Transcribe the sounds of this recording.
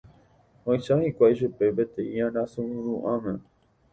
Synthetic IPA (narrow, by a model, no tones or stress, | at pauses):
õĩʃahikʷaiʃ̬upebet̪eiãnãsũũɾuʔãmẽ